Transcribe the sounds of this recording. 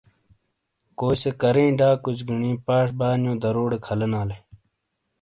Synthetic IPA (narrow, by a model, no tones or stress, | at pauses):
koːsekɐɾẽːɖaːkut͡ʃɡiɳĩːpaːʂbaːnjõːd̪ɐɾoːɽekʰɐlɐnaːle